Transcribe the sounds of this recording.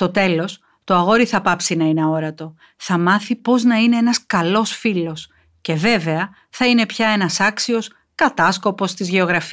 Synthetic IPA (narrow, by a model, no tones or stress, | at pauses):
st̪o̞t̪e̞los | t̪o̞ɐɣo̞ɾiθɐpɐpsinɐineɐo̞ɾɐt̪o̞ | θɐmɐθipo̞znɐine̞e̞nɐskɐlo̞sfilo̞s | ce̞ve̞ve̞ɐ | θɐine̞pçɐe̞nɐsɐksio̞s | kɐt̪ɐsko̞po̞st̪izʝe̞o̞ɣɾɐf